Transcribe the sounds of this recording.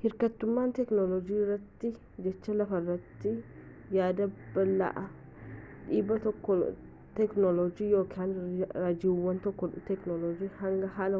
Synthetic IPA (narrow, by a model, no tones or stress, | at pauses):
hɪɾkɐt̪ːʊmːaːnt̪ɛknɔlɔd͡ʒiːrːɐt̪ːɪ | d͡ʒɛt͡ʃːɐlɐfɐrːɐt̪ːɪ | jaːd̪ɐb̥ɐlːa̰ʔɐ | ᶑiːbːɐt̪ɔkːɔ | t̪ɛknɔlɔd͡ʒiːjo̞ːkʰaːnɾaːd͡ʒɪwːɐnt̪ɔkːɔt̪ɛknɔlɔd͡ʒiːhɐŋɡɐɦaːlɐ